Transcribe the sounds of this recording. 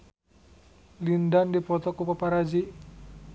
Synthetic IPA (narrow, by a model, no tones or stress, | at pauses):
lindandipɔt̪ɔkupapaɾad͡ʒi